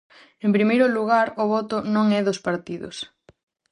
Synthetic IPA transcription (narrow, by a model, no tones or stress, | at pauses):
ẽmpɾimejɾʊluɣ̞aɾʊβɔt̪ʊnõŋɛðospaɾt̪iðʊ̰s